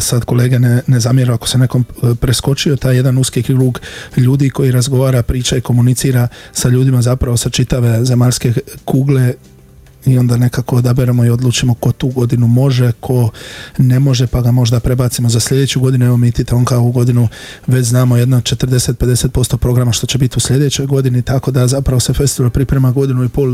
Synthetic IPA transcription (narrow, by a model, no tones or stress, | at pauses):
sad̪ko̞leːɡenenezamjeɾuakosene̞ko̞mpɾesko̞t͡ʃio̞t̪aːje̞d̪anuskikɡɾuːɡʎuːd̪iko̞jiɾazɡo̞ʋaːɾapɾiːt͡ʃaiko̞munit̪siːɾasaʎuːd̪imazapɾaʋo̞sat͡ʃit̪aʋe̞zemaʎske̞kuːɡle̞ | io̞nd̪ane̞kako̞ːd̪abeɾamoio̞d̪lˠuːt͡ʃimo̞ko̞t̪uːɡo̞d̪inumo̞ʒe̞kʰo̞ne̞mo̞ʒe̞paɡamo̞ʒed̪apɾe̞baːt̪simo̞zaslʲʎe̞d̪e̞ːt͡ɕuɡo̞d̪inueʋo̞mit̪it̪eoːnkaouɡo̞d̪inu | ʋe̞t͡ʃznaːmojed̪nood̪̚t͡ʃe̞t̪ər̩d̪e̞set̪̚pe̞d̪e̞se̞po̞st̪o̞pɾo̞ɡɾamaʃt̪o̞t͡ɕe̞bit̪iuslʎe̞d̪e̞t͡ɕo̞jɡo̞d̪init̪ako̞d̪azapɾaʋo̞sefe̞st̪iʋalpɾipɾe̞maɡo̞d̪inuipol